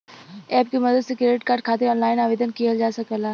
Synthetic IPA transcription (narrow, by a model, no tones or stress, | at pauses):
ɛːp̚kemɐd̪əd̪sekɾeːɖɪʈkaːɾɖ̚kʰaːt̪eɔːnlaːɪnaːʋeːd̪ənkijad͡ʒaːsɐkəlaː